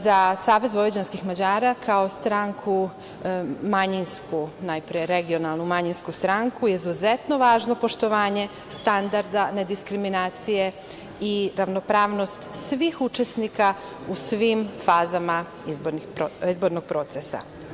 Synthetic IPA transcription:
zasaːʋe̞zbojed͡ʑanskixmad͡ʑaːɾakʰao̞st̪ɾaŋkʰu | maɲinskunajpɾijeɾe̞ɡionalˠnumaɲinskust̪ɾaŋkujeizuzet̪no̞ʋaːʒno̞po̞ʃt̪o̞ʋaːɲe̞ | st̪and̪aɾd̪ane̞d̪iskɾiminaːt̪sije̞ | iɾaʋno̞pɾaːʋno̞st̪sʋixut͡ʃesnika | usʋimfaːzama | izboɾnixpoizbo̞ɾnoɡ̥̚pɾo̞t̪sesa̰

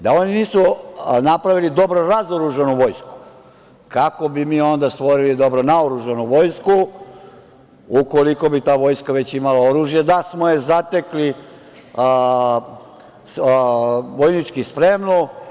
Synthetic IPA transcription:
d̪ao̞niniːsunapɾaʋilid̪o̞bɾoɾazoɾuʒenuʋo̞jsku̥ | kakobimiːo̞nd̪ast̪ʋo̞ɾilid̪o̞bɾonaoɾuʒenuʋo̞jsku | uko̞liko̞bit̪aːʋo̞jskaʋe̞t͡ɕimalaoɾuːʒjed̪asmojezat̪ekli | s | ʋojnit͡ʃkispɾe̞mno

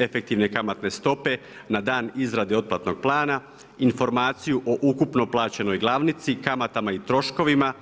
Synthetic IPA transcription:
e̞fe̞k̚t̪iʋne̞kamat̪ne̞st̪o̞pe̞ | nad̪aːnizɾad̪eo̞t̪̚plˠat̪no̞ɡ̥̚plˠaːna | info̞ɾmaːt̪sijuʔo̞ʔukupno̞plˠaːt͡ɕe̞no̞jɡlˠaʋnit̪sikamat̪amait̪ɾo̞ʃko̞ʋima

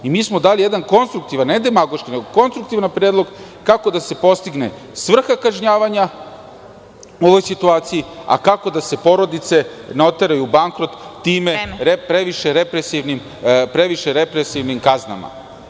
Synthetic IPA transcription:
imiːsmo̞d̪aːlijed̪anko̞nst̪ɾuk̚t̪iʋanned̪emaɡo̞ʃkineɡoko̞nst̪ɾukt̪iʋnapɾed̪lˠo̞ɡ | kako̞d̪ase̞po̞st̪iɡne̞ | sʋr̩xakaʒɲaːʋaɲa | uoʋojsit̪uaːt̪sijia̰kako̞d̪ase̞po̞ɾo̞d̪it̪se̞no̞t̪eɾajubaŋkɾo̞t̪ːiːmeɾepɾeʋiʃeɾepɾesiʋnim | pɾeʋiʃeɾepɾesiʋnimkazna̰ma̰

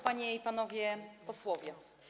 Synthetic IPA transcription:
paɲɛipanɔvʲjɛpɔswɔvʲjɛ

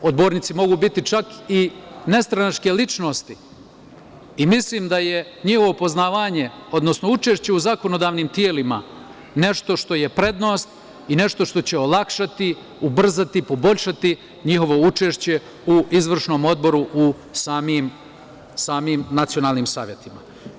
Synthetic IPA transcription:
od̪bo̞ːɾnit̪simo̞ɡuːbit̪it͡ʃakine̞st̪ɾanat͡ʃkeːlit͡ʃno̞st̪i | imisliːmd̪aje̞ | ɲixo̞ʋo̞po̞znaːʋaːɲe̞o̞d̪no̞sno̞ut͡ʃe̞ʃt͡ɕe̞uzako̞no̞d̪aːʋniːmt̪jeːlima̰ | ne̞ʃt̪o̞ʃt̪o̞je̞pɾe̞d̪no̞ːst̪ | ine̞ʃt̪o̞ʃt̪o̞t͡ɕeolˠakʃat̪i | ubr̩zat̪ipo̞bo̞ʎʲʃat̪i | ɲixo̞ʋo̞ut͡ʃe̞ːʃt͡ɕe̞ | uizʋr̩ʃno̞ːmo̞d̪̚bo̞ɾuʔu | saːmiːm | saːmiːmnat̪sio̞naːlˠniːmsa̰ːʋje̞t̪ima̰

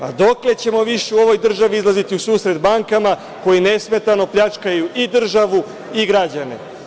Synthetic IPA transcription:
ad̪o̞kle̞t͡ɕe̞mo̞ʋiʃeuo̞ʋo̞jd̪r̩ʒaʋiizlˠazit̪iusuːsɾe̞d̪baŋkama | ko̞jine̞sme̞t̪ano̞pʎʲat͡ʃkajuʔid̪r̩ʒaʋu | iɡɾad͡ʑane̞̰

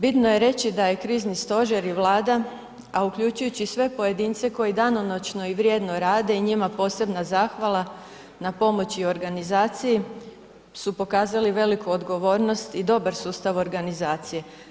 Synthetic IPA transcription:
bit̪no̞je̞ɾe̞t͡ɕid̪ajekɾiːznist̪o̞ʒeɾiʋlˠaːd̪a | aukʎut͡ɕujut͡ɕisʋe̞po̞je̞d̪iːnt̪se̞ko̞jid̪anonot͡ɕno̞iʋɾjed̪no̞ɾaːd̪e̞iɲimapo̞ːse̞bnazaːxʋalˠa | napo̞mo̞t͡ɕio̞ɾɡanizaːt̪siji | supo̞kaːzaliʋe̞likuod̪ɡo̞ʋo̞ːɾno̞st̪id̪o̞baɾsuːst̪aʋo̞ɾɡanizaːt̪sije̞

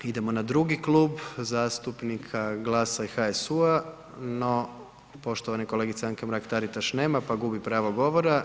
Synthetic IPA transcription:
id̪e̞mo̞nad̪ɾuɡiklˠuːbzaːst̪upnikʰaɡlˠaːsaixaesua | no̞ | po̞ʃt̪oʋaniko̞le̞ɡit̪saŋkemɾakt̪aɾit̪aʃne̞ːmapaɡubipɾaːʋoɡo̞ʋo̞ɾa

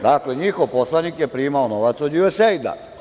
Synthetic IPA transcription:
d̪akleɲixoʋposlˠanikjepɾiːmaonoʋat̪sod̪juesejd̪a̰

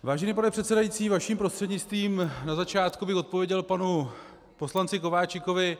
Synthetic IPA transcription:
vaːʒɛniːp̬anɛpr̝̥ɛt̪sɛdajiːt͡siːvaʃiːmpɾost̪r̥ɛdɲɪt͡st̪viːmnazat͡ʃaːt̪kubɪxo̞t̪̚po̞vjɛɟɛlpanu | po̞slant͡sɪko̞vaːt͡ʃɪkovɪ

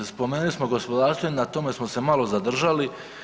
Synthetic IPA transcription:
spo̞meːnulismoɡo̞spo̞d̪aːɾst̪oenat̪ome̞smo̞se̞malˠo̞zad̪r̩ʒali

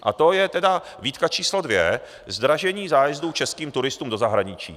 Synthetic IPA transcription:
ʔa̰t̪o̞jɛt̪ɛda | viːt̪kat͡ʃiːslodvjɛ | zd̪ɾaʒɛɲiːzaːjɛzdut͡ʃɛskiːmt̪uɾɪst̪uːmdo̞zaɦɾaɲɪt͡ʃḭː

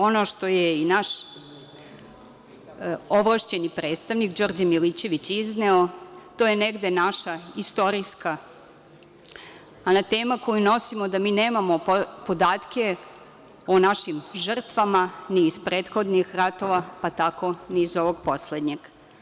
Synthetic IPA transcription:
o̞no̞ʃt̪o̞jeinaʃ | oʋlˠaʃt͡ɕe̞nipɾe̞ːt̪st̪aʋnikd͡ʒoɾd͡ʑamilit͡ɕe̞ʋit͡ɕizneot̪ojeneɡd̪enaʃaist̪o̞ɾiska | nat̪e̞ːmako̞juno̞simo̞d̪amiːneːmamo̞pod̪aːt̪ke̞ | onaʃimʒr̩t̪ʋamaniːspɾe̞ːt̪xo̞d̪nixɾat̪o̞ʋapat̪ako̞niːzoʋo̞ɡpo̞sled̪ɲeɡ̥

